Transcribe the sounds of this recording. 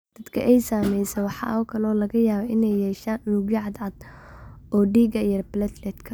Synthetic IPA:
d̪̥ɐd̪kʰɐ̰ʔɛjsaːmɛjsɛwɑħɑ̰ʔɔːkʰɐlɔːlɐɣɐjaːβɛʔɪnɛjːɛːʃaːnʔʊlʊɡjɪʕɑd̪ʕɑd̪ | ɔːɖiːɡɐjɐrblɐt̪lɛt̪kʰɐ

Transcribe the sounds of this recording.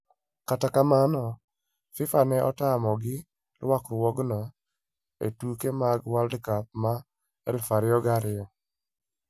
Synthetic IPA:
katakamanɔ | fɪfanɛʔɔtamɔɡɪ | lwakɾwɔɡnɔ | ḛtukemaɡwaldkap̚ma | ɛlfaɾɪɔɡaɾɪɔ

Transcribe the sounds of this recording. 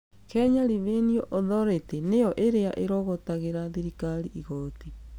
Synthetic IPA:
kɛːɲaɾiβeniɔʔoðɔɾetenejɔʔeɾeaʔeɾɔɣotaɣeɾaðiɾikaɾiʔiɣɔti

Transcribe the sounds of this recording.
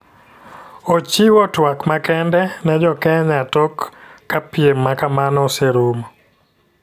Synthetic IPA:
ot͡ʃiwɔtwakmakɛndɛnɛd͡ʒɔkɛɲatɔkːapiemːakamanɔseɾum

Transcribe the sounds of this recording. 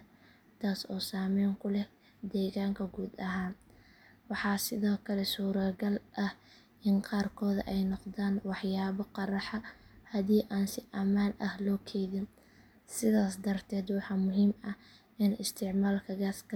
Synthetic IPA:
t̪ʰaːsɔːsaːmɛːŋkʰʊlɛ | d̪ɛːɣaːŋkʰɐɡuːd̪ɐɦaːn | wɑħɑːsɪðɔːkʰɐlɛsuːɾɐɡɐlʔɐh | ʔɪnqɑːrkʰɔːðʔɛjnɔqðaːnwɑħjaːβɔqɑrɑħɑhɐðiːʔaːnsɪʔɐmaːnɐhlɔːkʰɛjðɪn | sɪðaːsd̪ɐrt̪ʰɛːd̪wɑħɑːmʊɦiːmɐ | ɪnɪst̪ʰɪʕmaːlkʰɐɣaːskʰɐ

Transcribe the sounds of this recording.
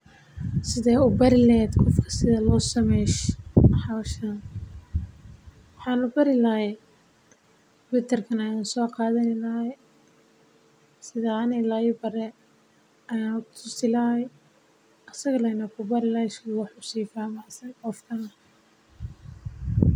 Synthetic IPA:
sɪðɛːʊbɐɾɪlɛːd̪qʰɔfkʰɐ̥sɪðɐlɔːsɐmɛʃħɑʃɐ | wɑħɑːnʊbɐɾɪlɐhɛ | wɪt̪ʰɐrkʰɐnɐjaːnsɔːqɑːðɐnɪlɐɛ | sɪðaːɐnɛjlɐɪbɐɾɛ | ɐjaʊt̪ʰʊsɪlaɛ | ɐsɐɣɐlɐnɐkʰʊbɐɾɪlaskɐwɑħʊsiːfaːmaːsɐjqɔfkʰɐnɐ

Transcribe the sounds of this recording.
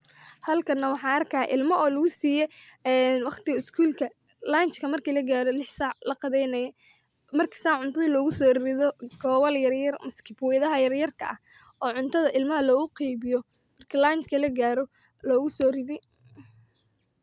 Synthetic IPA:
hɐlkʰɐnːɐwɑħɑːɐrkʰaːʔɪ̰lmɐɔːlɐɣʊsiːjɛnwɑχt̪ɪɣɐɪskʰuːlkʰɐ | laːnt͡ʃkʰɐmɐrkʰiːlɐɡaːɾɔlɪħsɑʕlɐqɑðɛjnɐj | mɐrkʰɐ̥saːʕʊnt̪ʰɐðilɔːɣʊsɔːrɪðɔɡɔːβɐljɐrjɐrmɐskʰɪfwjðɐɦɐjɐrjɐrkʰɐ̰ʔɐh | ʔɔːʕʊnt̪ʰɐðɐʔɪlmɐɦɐlɔːɣʊqijβɪjɔ | mɐrkʰilaːnt͡ʃkʰɐlɐɡaːɾɔ | lɔːɣʊsɔːrɪðɪj

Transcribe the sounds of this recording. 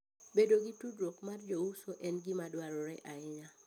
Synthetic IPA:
bedoɡitudɾokmard͡ʒousoʔɛnɡimadwaɾɔɾɛʔaɪɲa

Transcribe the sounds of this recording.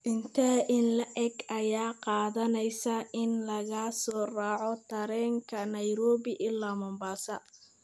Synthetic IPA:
ʔɪnt̪ʰɐʔɪnlɐʔɛɡɐjaːqɑːðɐnɛjsɐʔɪnlɐɣɐsɔːrɑːʕɔt̪ʰɐɾɛːŋkʰɐnɐjɾɔːβɪʔɪlːaːmɔmbaːsɐ

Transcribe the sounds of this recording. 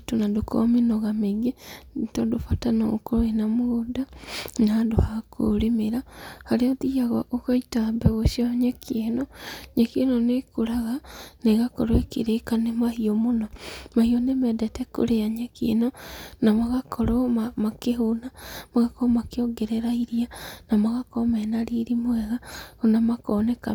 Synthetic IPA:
tonadoko̰minoɣameɡetodofatanookoɾoenamuudanadohakʰo̰ɾemeɾahaɾeoðiaɣwaʔokaitabɛɣoʃjoɲekʰienoɲekenonekoɾaɣaneɣakɔɾoekiɾekanemahiomonomahionemɛdɛtɛko̰ɾeaɲekḛnonamaɣakʰɔɾomamakeɦonamaɣakɔomakeoɡeɾeɾaiɾianamaɣakomɛːnaɾiɾimoɛɣaonamakoneka

